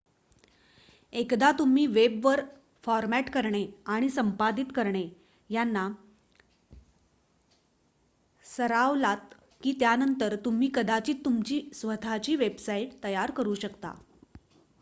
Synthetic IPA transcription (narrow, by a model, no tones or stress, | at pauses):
ekd̪at̪um̤iːʋebʋəɾ | fɔɾmæʈkəɾɳeaɽ̃isəmpad̪it̪kəɾɳe | janːa | səɾaʋlat̪ | kiːt̪janənt̪əɾt̪um̤iːkəd̪at͡ɕiːt̪t̪ːumt͡ɕiːsʋət̪ʰat͡ɕiːʋebsaiʈt̪əjaɾkəɾuːɕəkt̪a̰